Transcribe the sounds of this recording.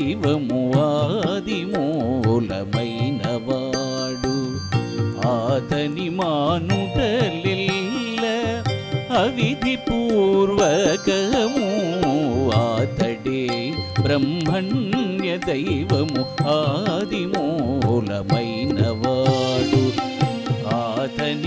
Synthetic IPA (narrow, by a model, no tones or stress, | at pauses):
ʋɐmuaːðɪmoʊlɐ̰mɐɪnɐʋaːɽɯ | aːt̪ɐnimaːnʊɽɐlɪlːɐ | ɐʋɪd̪ipuːɾʋɐkɐmu | aːt̪ɐɽebɾɐmbʱɐnjɐd̪ɐjʋɐmuaːðimoʊlɐmɐɪnɐʋaːɽɯ | aːt̪ɐn